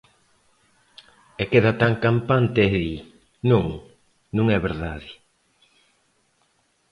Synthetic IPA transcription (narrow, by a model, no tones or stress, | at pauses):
ɛkeðɐt̪aŋkampant̪eɛði | nũŋ | nũŋɛβeɾðaðɪ